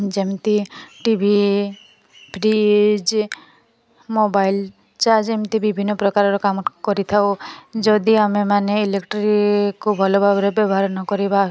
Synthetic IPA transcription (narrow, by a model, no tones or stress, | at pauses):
d͡ʒemt̪iʈibʱi | pʰɾid͡ʒ | mobail | t͡ʃaɾd͡ʒemt̪ibibʱinːɔpɾɔkaɾɔɾɔkamkɔɾit̪ʰawd͡ʒɔd̪iamemaneilekʈɾikubʱɔlɔbʱabɔɾebɔbɔɦaɾɔnɔkɔɾiba